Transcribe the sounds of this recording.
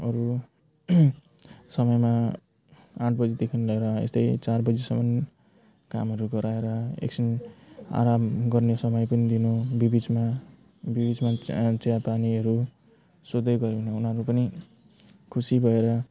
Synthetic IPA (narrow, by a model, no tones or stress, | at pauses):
ʌɾu | sʌmʌjma | ãʈʰbʌd͡zed̪ekʰinlʌeɾʌḛst̪ʌjt͡sarbʌd͡zesʌmʌn | ka̰mɦʌɾuɡʌɾaeɾʌḛksina̰ɾamɡʌrnesʌmʌjpʌnid̪inobibid͡zma | bibid͡zmat͡seapaniʌɾu | sod̪ʌjɡʌɾebʌnaunʌɾupʌni | kʰusibʱʌeɾʌ